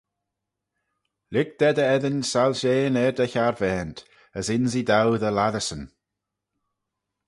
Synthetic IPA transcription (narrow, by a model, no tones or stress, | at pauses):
lɪɡ̚d̪̥ɛd̪əɛðənsalʃeːnɛɹd̪əçaɹvɛːnt̪ | əsɪnzid̪awðəlaðəsən